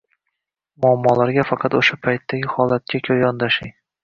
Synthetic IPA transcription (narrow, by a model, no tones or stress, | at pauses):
mʊamːɒlaɾɡʲafɑqʰɑt̪oʃapʰajt̪ʰːaɡʲɪhɒlˠat̪̚kʲakʲʰɵjɒnd̪aʃɪŋ